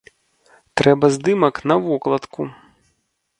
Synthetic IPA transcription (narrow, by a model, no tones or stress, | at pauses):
t̪ɾɛbɐzd̪ɨmɐknɐvɔklˠɐt̪ku